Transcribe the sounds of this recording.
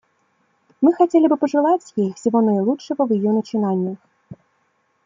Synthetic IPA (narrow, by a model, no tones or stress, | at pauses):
mɨxat͡sʲɛlʲibɨpɐʐɨlˠat͡sʲjixwsʲivɔnɐjlˠutʂɐɣɐwjijɔnɐt͡ʂɨnanʲːɐx